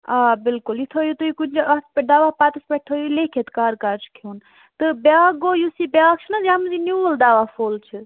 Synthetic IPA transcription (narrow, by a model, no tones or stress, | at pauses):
abɪlkuljit̪ʰojut̪ujikund͡ʒat̪ped̪aːʋapaːt̪ɐspeʈʈ̪ʰojulekʰet̪kaɾkaɾd͡ʒ̥ʰkʰon | t̪ɨbakːojusibʲak̚t͡ʃʰinɐzamzinuəld̪aːʋapʰoːlt͡ʃʰi